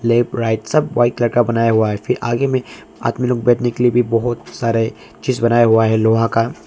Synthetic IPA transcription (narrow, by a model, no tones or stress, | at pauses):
leːpɾaːɪʈsɐbʋaːɪʈlɐɽkabɐnaːjaɦuaɦɛfɪɾʔa̰ːɡemẽ | a̰ːt̪miloːɡ̚bɛːʈnekeliebʱibɔɦʊt̪saːɾe | t͡ʃiːzbɐnaːjaɦuaɦɛloːɦãka